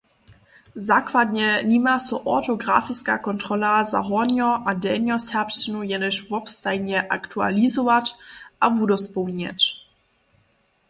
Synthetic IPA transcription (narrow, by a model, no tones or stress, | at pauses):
zakvad̪ɲɛɲimasɔʔɔt̪ɔɡɾa̰fiska̰kɔnt̪ɾɔlaza̰ɦɔɲɔʔadɛɲʲɔsɛpʃt͡ʃɪnujɛnɛɕvɔpst̪ajɲɛʔa̰kt̪ʰua̰lʲizɔvat͡ɕʔavudɔspɔwɲɛ̰t͡ɕ